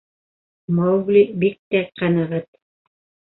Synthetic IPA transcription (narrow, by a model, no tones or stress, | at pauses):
mowɡlʲibik̚t̪æqɑnɑʁɤt̪̚